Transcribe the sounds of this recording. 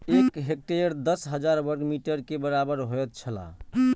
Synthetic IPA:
ekɦek̚ʈeɾd̪əsɦəd͡ʒaɾbəɾɡmiʈəɾkebəɾabəɾɦoɛt̪̚t͡ʃʰəla̰

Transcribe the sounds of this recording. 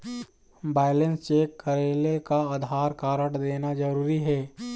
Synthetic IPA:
baːɪlə̃nst͡ʃeːkːəɾeːlekaaːd̪ʱaːɾkaːɾəɽd̪eːnazɐɾuːɾiɦɛː

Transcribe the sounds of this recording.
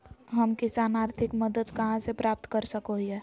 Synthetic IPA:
ɦəmkɪsaːnaːɾt̪ʰɪkməd̪əd̪kəɦãsepɾaːp̚t̪kəɾsəkoɦiɛ

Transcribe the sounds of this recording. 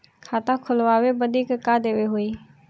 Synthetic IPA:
kʰaːt̪ãkʰʊlʋaːʋebəd̪iːkkaːd̪eːʋeɦʊiː

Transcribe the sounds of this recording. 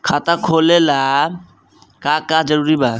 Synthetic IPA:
kʰat̪akʰolela | kakad͡ʒɔɾuɾiba

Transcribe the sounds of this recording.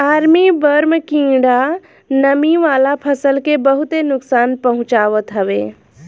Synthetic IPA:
aːɾmibəɾmkĩːɽa | nəmiʋaːlapʰəsəlkebəɦut̪enʊksaːnpɐɦʊ̃t͡ʃaːʋət̪ɦəʋeː

